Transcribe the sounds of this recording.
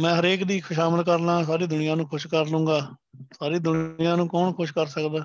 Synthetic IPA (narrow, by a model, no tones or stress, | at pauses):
mɛ̃ːɦəɾeːkd̪iːkʰʊʃaːməlkəɾlãːs̬aːɾiːd̪ʊnɪjãːnũːkʰʊʃkəɾlʊ̃ːɡaːsaːɾiːd̪ʊnɪjãːnũːkɔːnkʰʊʃkəɾsəkd̪aː